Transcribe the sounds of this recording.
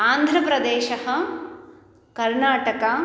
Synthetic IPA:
aːnd̪ʱɾɐpɾɐd̪eːʃɐɦɐ | kɐɾɳaːʈɐkɐ

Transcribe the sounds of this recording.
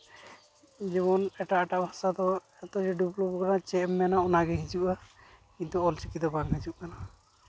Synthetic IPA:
d͡ʒɛmɔnɛʈaʔʈaʔbʱasad̪ɔ | ɛt̪ɔd͡ʒɛɖuplɔpkanat͡ʃɛmːɛnaɔnaɡɛɦid͡ʒuʔa | kint̪uɔlt͡ʃikid̪ɔbaŋɦid͡ʒuʔkana

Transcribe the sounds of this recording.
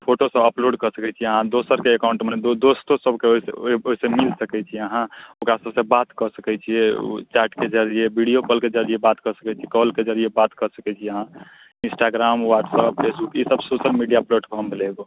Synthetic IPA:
pʰoʈosəbəploɖkəɾsəkɛt͡ʃʰiəɦãd̪osəɾkeːkaʊ̃ɳʈmend̪od̪ost̪osəbkeoisḛoɦisẽmilsəkɛt͡ʃʰiəɦãokɾasəbsẽbat̪kəsəkɛt͡ʃʰiḛt͡ʃɛʈked͡ʒəɾijebiɽijokəlked͡ʒəɾiebat̪kəɾsəkɛt͡ʃʰikɔlked͡ʒəɾiebat̪kəɾsəkɛt͡ʃʰiəɦã | insʈaɡɾamwaʈsəp̚pʰesbukisəbsosəlmiɖijaploʈkoɦəmbeleɡo

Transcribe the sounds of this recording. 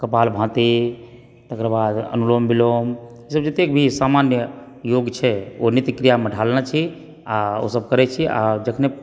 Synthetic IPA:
kəpalbʱãt̪i | t̪əkɾbad̪ə̰nulombilom | isəbd͡ʒet̪ek̚bʱisamanjə | joɡt͡ʃʰɛonit̪ikɾijaməɖʱalnat͡ʃʰi | ao̰səb̚kəɾɛt͡ʃʰia̰d͡ʒəkʰne

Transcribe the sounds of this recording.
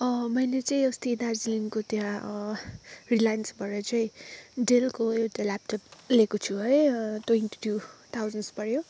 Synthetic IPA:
ʌmʌjlet͡sʌĩʌst̪id̪ard͡ziliŋkot̪jã | rilajʌnsbʱʌɾʌt͡sʌĩɖelkoewt̪alap̚ʈʌplekot͡sʰuɦʌjtwenʈu̥ʈʰjut̪ʰawd͡zʌnspʌɽjo

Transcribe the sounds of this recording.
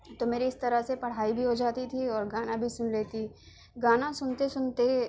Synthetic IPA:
t̪omeːɾiɪst̪ɐɾəsepɐɽ̤aːibʱiɦod͡ʒaːt̪it̪ʰiɔːɾɡaːnabʱisʊnleːt̪i | ɡaːnãsʊnt̪esʊnt̪e

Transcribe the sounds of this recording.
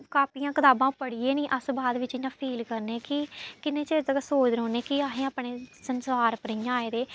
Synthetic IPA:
kaːpiːãːkɪt̪aːbãːpəɽiːeːnĩːʔəsbaːd̪ʋɪt͡ʃɪjãːpʰiːlkəɾneːkɪkɪnẽːt͡ʃeːt̪əɡasoːt͡ʃɾɦõːneːkɪaːɦẽːaːpɳeːsənsaːɾpəɾĩːãːeːd̪eː

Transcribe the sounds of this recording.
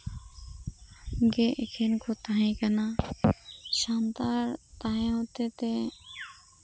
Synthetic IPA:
ɡeʔɪkʰenkot̪aːɦĩkənaː | ʃaːnd̪aːɾt̪aɦẽɦoːt̪et̪eː

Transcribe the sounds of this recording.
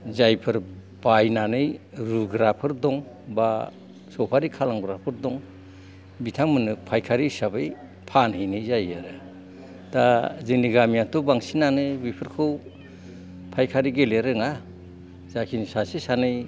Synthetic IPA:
zajpʰɯɾ | b̥ajnanɯjɾuɡɾapʰɯɾdɔŋ | ba | sɔwpʰaɾikʰalaŋɡɾapʰɯɾdɔŋ | bitʰaŋmɯnɯpʰajkʰaɾisabɯj | pʰanhɯjnɯjzajaɾɯ | tazɯŋniɡamijatʰɔbaŋsinanɯjbipʰɯɾkʰɯw | pʰajkʰaɾiɡeleɾɯŋa | zakʰinsasisanɯj

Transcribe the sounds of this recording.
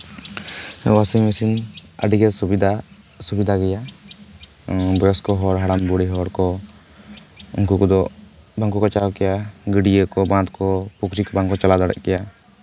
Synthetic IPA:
wasimesinə̰ɖiɡɛsubid̪ʱa | subid̪ʱaɡɛja | bɔjɔskɔɦɔɾɦaɽambuɽiɦɔɾkɔ | ṵŋkukɔd̪ɔbaŋkukɔt͡ʃaɔkɛjaɡəɽijəkɔbãt̪kɔpukɾikɔbaŋkɔt͡ʃalad̪ɔɽɛ̰ʔkɛja

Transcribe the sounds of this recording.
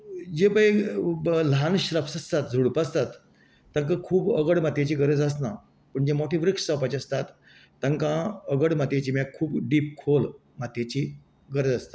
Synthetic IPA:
d͡ʑebəj | lanɕɾəpsəst̪at̪d͡zʱuɽpast̪at̪ː | ãŋkãkʰuːbəɡəɽmat̪jet͡ɕiːɡəɾəd͡zəsna | pəɳd͡ʑemoʈʰiʋɾikʂsəwpat͡ɕiəst̪at̪ː | ãŋkãəɡəɽmat̪jet͡ɕiːmakʰuːbɖiːp̚kʰol | mat̪jet͡ɕiː | ɡəɾəd͡zəst̪ḁ

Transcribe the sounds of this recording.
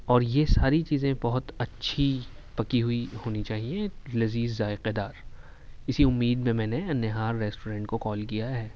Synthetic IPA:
ɔːɾjesaːɾit͡ʃiːzẽbɐɦʊt̪ɐtːʃʰipɐkiɦuihoːnit͡ʃaːɦiẽlɐziːzzaːɪqed̪aːɾ | ɪsiʊmːiːd̪mẽmɛ̃ːneɐnːeɦaːɾːɛːsʈoːɾɛ̃ːɳʈkokɔːlkijaɦɛː

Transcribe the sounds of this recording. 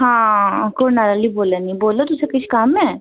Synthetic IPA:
ɦãːkoːɾnaːɾaːliːboːlanĩːboːlot̪ʊsẽkɪt͡ʃʰkaːmɛː

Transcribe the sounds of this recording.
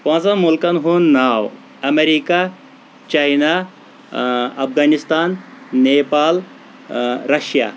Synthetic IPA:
pãːt͡sɐnmulkɐnɦuːnːaːw | ɐmeɾiːka | t͡ʃajna | ɐpɡaːnist̪aːnːeːpaːl | ɾɐʃja̰

